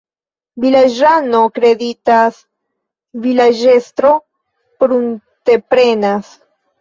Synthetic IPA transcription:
vilad͡ʒano̞kɾe̞ditas | vilad͡ʒe̞stɾo̞ | pɾunte̞pɾe̞nas

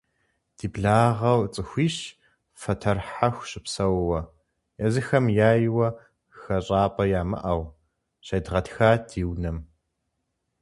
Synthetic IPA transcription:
d̥iːbɮaːʁɐwt͡sʼɨxʷiːɕ | fɐtʰɐrħaxʷɕɪpsɐwwɐ | jɐzɨxɐmjaːjɪwɐ | xɐɕʼaːpʼɐjaːmɨ̰ʔɐw | ɕɐdʁɐtxaːdʰiːwnɐm

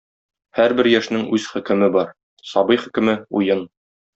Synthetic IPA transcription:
hæɾbɘɾjæʃnɘŋʉz̥χɵ̆kɘ̆mɘbɒɾ | sɒbɤjχɘ̆kɘ̆mɘujɤn

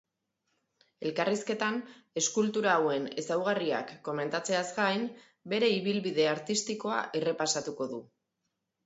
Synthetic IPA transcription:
e̞lkariske̞t̪ane̞skult̪uɾaːwe̞ne̞sawɣ̞aria̰kːo̞me̞nt̪at͡se̞azɡajn | be̞ɾe̞iβ̞ilβiðe̞aɾt̪ist̪iko̞a̰ʔere̞pasat̪uko̞ðu

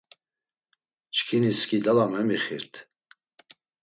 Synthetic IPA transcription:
t͡ʃʰkʰiniskʼid̪alamɛmiχḭɾt̪ʰ

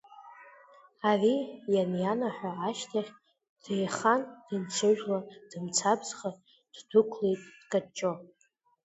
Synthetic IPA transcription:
arijanjanaħʷᶣaːʃtʰaχʲ | d̥ejχand̥ɨnt͡sʰɨʒᶣlad̥ɨmt͡sʰabzχa | d̥dɨkʷʰlejtʼd̥kʼat͡ʃʼo

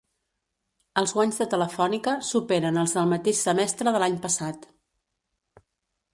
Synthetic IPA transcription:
əlˠzɣwaɲzðət̪ələfɔnikəsupeɾənəlˠzðəlˠmət̪eʃsəmɛst̪ɾəðəlaɲpəsat̪

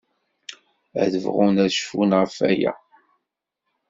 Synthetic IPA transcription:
æðəvʁunæðʃfunʁəfæjæ̰

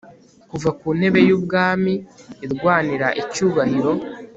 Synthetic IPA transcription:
kuvakuːn̥he̞βe̞juːb̚ɡaːmiːɾɡwaːniɾa̰ʔicuːβaniɾo̞

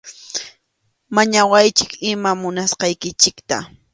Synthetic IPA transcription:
maɲawajt͡ʃɪkɪmamʊnasqɑjkɪt͡ʃɪkt̪a̰

